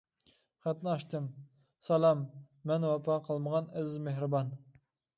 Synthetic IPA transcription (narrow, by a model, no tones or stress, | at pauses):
χæt̪nɪɑʃt̪ʰɨm | sɑlˠɑmː | ɛnwɑpʰɑqʰəlˠməʁɑnæzzmehɾɨbɑn